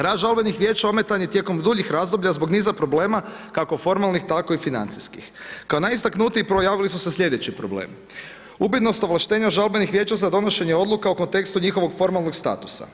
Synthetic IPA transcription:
ɾaːd̪ʒalbenixʋje̞ːt͡ɕao̞me̞t̪anjet̪je̞ko̞md̪uʎixɾazd̪o̞bʎazbo̞ɡniːzapɾo̞ble̞ːmakakofo̞ɾmalˠnixt̪ako̞ifina̰nt̪siskḭxkao̞najist̪aknut̪iːpɾo̞jaːʋilisusesʎʲe̞d̪e̞t͡ɕipɾo̞blḛːmi | ubit̪no̞st̪o̞ʋlˠaʃt̪e̞ːɲaʒalbenixʋje̞ːt͡ɕazad̪o̞no̞ʃe̞ɲeo̞d̪lukauko̞nt̪e̞kst̪uɲixo̞ʋo̞ɡfo̞ɾmalˠno̞ɡst̪a̰ːt̪u̥sa̰

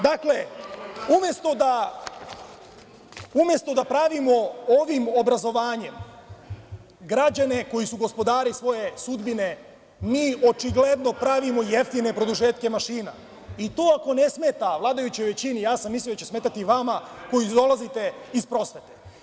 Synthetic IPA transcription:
d̪akle̞umje̞st̪o̞d̪a | umje̞st̪o̞d̪apɾaʋimo̞oʋimo̞bɾazo̞ʋaːɲe̞m | ɡɾad͡ʑane̞ko̞jisuɡo̞spo̞d̪aːɾisʋo̞je̞sud̪bine̞ | miːo̞t͡ʃiɡle̞d̪no̞pɾaʋimo̞jeft̪ine̞pɾo̞d̪uʒe̞ːt̪ke̞maʃiːna̰ | it̪o̞ːako̞ne̞sme̞t̪aʋlˠaːd̪ajut͡ɕojʋe̞t͡ɕinijaːsamisliod̪at͡ɕesme̞ːt̪at̪iʋamako̞jid̪o̞lˠazit̪e̞ispɾo̞sʋe̞t̪e̞

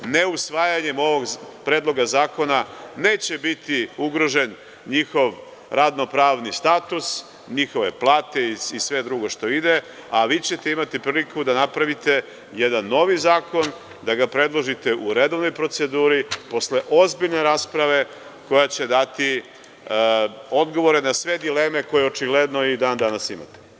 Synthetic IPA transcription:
ne̞usʋaːjaɲe̞mo̞ʋo̞ɡpɾeːd̪lˠo̞ɡazaːko̞nane̞ːt͡ɕe̞bit̪iuɡɾo̞ʒe̞n | ɲixo̞ʋ | ɾad̪no̞pɾaːʋnist̪aːt̪us | ɲixo̞ʋe̞̰plˠaːt̪e̞isʋe̞d̪ɾuɡo̞ʃt̪o̞id̪e̞ | aʋiːt͡ɕet̪e̞imat̪ipɾiːlikʰud̪anapɾaʋit̪e̞ | jed̪anːo̞ʋizaːko̞n | d̪aɡapɾe̞d̪lˠo̞ʒit̪e̞ʔuɾed̪o̞ʋno̞jpɾo̞t̪se̞d̪uːɾipo̞sle̞ʔo̞zbiʎneɾaːspɾaʋe̞ | ko̞jat͡ɕe̞d̪at̪i | o̞d̪ɡo̞ʋo̞ɾe̞nasʋe̞d̪ileme̞ko̞jeot͡ʃiɡled̪noid̪aːnd̪anasima̰t̪e̥

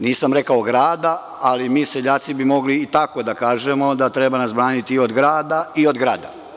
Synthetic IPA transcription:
niːsamɾe̞kaoɡɾaːd̪a | alimiːse̞ʎaːt̪sibimo̞ɡliːt̪ako̞d̪akaːʒe̞mo̞d̪at̪ɾe̞banasbɾaːnit̪iiod̪ɡɾaːd̪aio̞d̪ɡɾaːd̪a̰

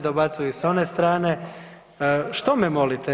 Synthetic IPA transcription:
d̪obat̪sujuso̞nest̪ɾaːne | ʃt̪omemo̞lit̪e

